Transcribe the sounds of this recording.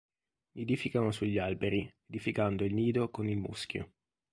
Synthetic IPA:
mied̪ifikanosuʎːalbeɾied̪ifikand̪oilniːd̪okonilmṵskjo̰

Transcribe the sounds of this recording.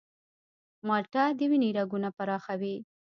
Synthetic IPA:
mɑʈad̪əwiniɾaɡunapaɾɑxawi

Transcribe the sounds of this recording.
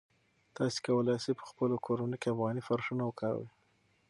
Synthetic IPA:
t̪ɑse̥kawəlɑjsepə̥xpəlokʰoɾanəkeafɣɑnifaɾʂunawəkawḭ

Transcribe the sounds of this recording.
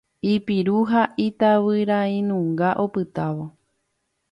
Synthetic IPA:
ipiɾuɦaʔit̪aβɨɾaĩnũŋɡaʔopɨt̪aʋo̞

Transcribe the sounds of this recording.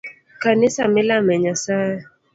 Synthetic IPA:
kanɪsamɪlamɛɲasajɛ

